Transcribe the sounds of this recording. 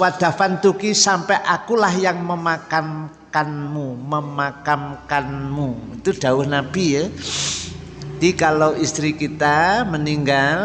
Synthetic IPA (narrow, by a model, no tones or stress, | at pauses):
wad̪̥a̤fant̪ukisampɛʔakulahjaŋməmakam | kanmuməmakamkanmuit̪uɖ̥a̤wʊhnab̥ijə | ad̪̥ikaloʔist̪ɾikit̪aməniŋɡal